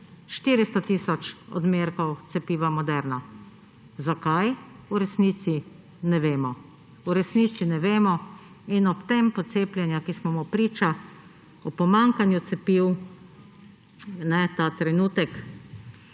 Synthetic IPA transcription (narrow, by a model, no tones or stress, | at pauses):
ʃt̪iːɾist̪ɔt̪iːsɔt͡ʃɔ̰d̪meɾkɔwt̪sɛpiːʋamɔd̪ɛɾnɔ | zakajuɾɛsniːt̪si | nɛʋeːmɔ | uɾɛsniːt̪sinɛʋeːmɔ | inɔpt̪empɔt̪seːplʲjɛnjakismɔmɔpɾiːt͡ʃa | ɔpɔmaŋkanjut̪sɛpiw | nɛt̪at̪ɾɛnuːt̪ɛk